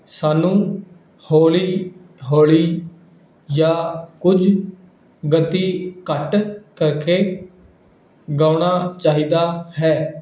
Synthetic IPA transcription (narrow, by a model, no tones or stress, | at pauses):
saːnũː | hoːliː | ɦoːliː | jaːkʊd͡ʒ | ɡət̪iːkəʈkəɾkeː | ɡãːʊɳ̃aːt͡ʃaːɦiːd̪aːɦɛː